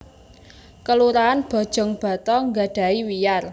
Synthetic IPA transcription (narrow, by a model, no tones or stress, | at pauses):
kəluɾaːnb̥ɔ̤d̥ʒ̥ɔ̤ŋb̥ä̤t̪ɔŋɡaɖ̥a̤iwijar